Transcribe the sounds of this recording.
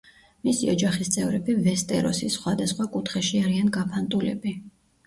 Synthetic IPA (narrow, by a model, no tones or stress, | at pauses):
misiɔd͡ʒaχist̪sʼɛvɾɛbivɛst̪ʼɛ̰ɾɔ̰sisχwad̪asχwakʼut̪ʰχɛʃiaɾianɡapʰant̪ʼulɛ̰bi